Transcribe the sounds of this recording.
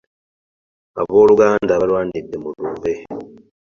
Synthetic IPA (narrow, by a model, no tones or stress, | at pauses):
a̰βoːɾuɡaːndaβaɾwaːndidemuɾuːβe̞